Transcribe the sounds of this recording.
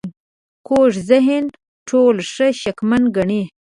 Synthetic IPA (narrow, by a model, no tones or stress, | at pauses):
n | koʐzɪɦɪn | ʈʰolʂəʃakmanɡaɳi